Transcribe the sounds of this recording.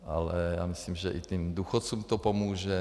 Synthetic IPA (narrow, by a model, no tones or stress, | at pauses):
ʔalɛjaːmɪslimʒɛʔit̪imd̪uːxott͡suːmt̪opomuːʒɛ